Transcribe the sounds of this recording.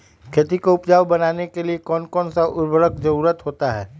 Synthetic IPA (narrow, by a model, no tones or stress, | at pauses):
kʰeːt̪ikoʊpd͡ʒaːʋbɐnaːnekeliekɔːnkɔːnsaʔʊɾbʱəɾəkd͡ʒɐɾuːɾət̪ɦoːt̪aɦɛː